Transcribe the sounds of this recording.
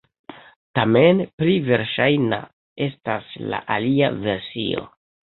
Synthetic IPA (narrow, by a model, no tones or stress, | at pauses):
tamenplive̞ɾʃajna̰ | e̞stasla̰ʔaliave̞ɾsḭo̞̰